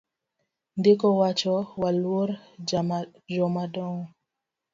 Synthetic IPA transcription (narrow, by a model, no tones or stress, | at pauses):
ndekɔwat͡ʃɔwalwoɾa | d͡ʒɔmadɔŋɔ